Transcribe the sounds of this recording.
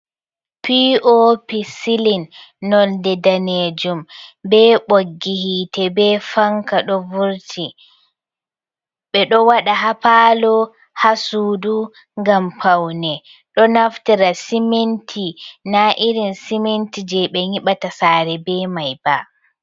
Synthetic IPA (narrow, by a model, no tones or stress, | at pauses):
piopisilinːɔldɛdaned͡ʒumbɛːɓoɡːihitɛbɛfaŋkaɗɔvuɾtʰi | ɓɛɗɔwaɗaɦapaːlɔ | hasudu | ŋɡampʰawnɛ | ɗɔnaftiɾasimentʰinaʔiɾinsimentid͡ʒɛɓɛɲiɓatasaɾɛbɛmajba